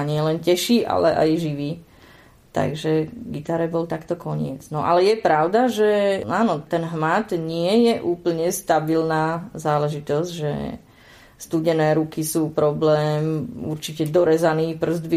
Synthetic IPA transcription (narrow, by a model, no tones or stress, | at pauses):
aɲɪɛlɛncɛʃiːʔa̰lɛ̰ʔa̰jʒiʋiː | t̪a̰ɡʒɛɡit̪aɾɛbɔlt̪akt̪ɔkɔɲɪɛd͡znɔʔa̰lɛjɛpɾaʊd̪aʒɛaːnɔt̪ɛnɦmat̪ɲɪɛjɛʔuːpl̩ɲɛst̪abilnaːzaːlɛʒit̪ɔzɟʒɛ̰ | st̪uːɟɛnɛːɾukisuːpɾɔblɛːmṵɾt͡ʃicɛd̪ɔɾɛzaniːpr̩zd̪bi